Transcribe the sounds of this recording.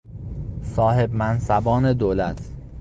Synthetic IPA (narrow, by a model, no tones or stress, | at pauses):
sɒːhe̞bmænsæbɒːne̞d̪oːlæt̪ʰ